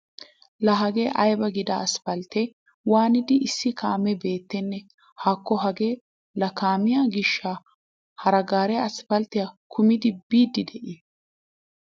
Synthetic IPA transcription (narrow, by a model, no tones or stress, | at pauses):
lɐɦɐɡeːʔɐjbɐɡɪd̪ɐɐspɐlt̪ɛ | waːnɪd̪ɪɪsːɪkaːmɛbe̞ːt̪ːɛnːɛ | haːkːɔɦɐɡeː | lɐkaːmɪjaɡɪʃːa | hɐɾɐɡaːɾɛɐsfɐlt̪ːɪjakʰʊmɪd̪ɪbiːd̪ɪd̪ɛʔɪ